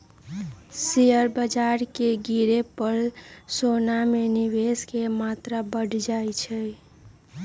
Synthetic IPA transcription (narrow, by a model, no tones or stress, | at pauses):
sijəɾbəd͡ʒaɾkeɡiɾepəɾsonameniʋeskemat̪ɾabəɽ̤ʱd͡ʒajt͡ʃʰə